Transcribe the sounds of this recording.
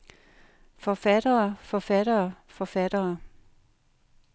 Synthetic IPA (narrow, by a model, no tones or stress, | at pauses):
fɒfæɾ̥ɐːfɒfæɾɐːfɒfæd̥ɐː